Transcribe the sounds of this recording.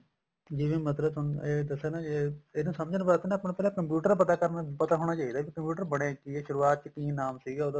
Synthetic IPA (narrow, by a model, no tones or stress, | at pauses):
d͡ʒɪʋĩːmət̪ləbʊneːd̪əsːeːnãːeeːnũːsəmd͡ʒənʋət̪ːnaːəpnãːpɛːlãːkəmpjuːʈəɾpət̪aːkəɾnapət̪aːɦoːɽ̃aːt͡ʃaːid̪aːbikəmpjuːʈəɾbəɽ̃ẽːkieʃʊɾuːaːt̪̚t͡ʃkĩːnaːmsiːɡaːod̪a